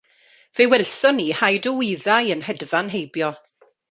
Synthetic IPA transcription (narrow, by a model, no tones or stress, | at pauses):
v̥ewɛlsɔniːhajdəwɪːðajənhɛdvanɦejbjɔ